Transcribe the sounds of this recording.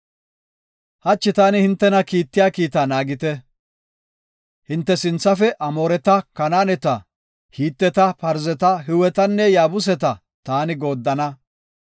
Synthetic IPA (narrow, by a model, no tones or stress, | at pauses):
hɐt͡ʃːɪt̪aːnɪhɪnt̪ːɛnɐkiːt̪ːɪjaːkiːt̪aːnaːɡɪt̪ɛ | hɪnt̪ːɛsɪnt͡sːɐfɛʔɐmo̞ːɾɛt̪ɐkɐnaːnɛt̪ɐ | hiːt̪ːɛt̪ɐpɐɾzɛt̪ɐɦɪwɛt̪ɐnːɛjaːbʊs̬ɛt̪ɐ | t̪aːnɪɡo̞ːd̪ːɐnɐ